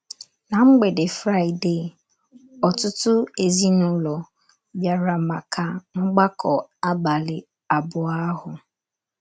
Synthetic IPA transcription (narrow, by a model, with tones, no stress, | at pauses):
na˨ŋ͡m̩˦ɡ͡be˨dɪ˨fɾa˦˨ɪ˨de˦˨ | ɔ˨tʊ˦tʊ˦e˨zi˦nʊ˨lɔ˨ | bja˨ɾa˨ma˨kʰa˨ŋ͡m̩˦ɡ͡ba˦kʰɔ˨a˦ba˨lɪ˨ | a˨bʊ˨a˦ɦʊ˨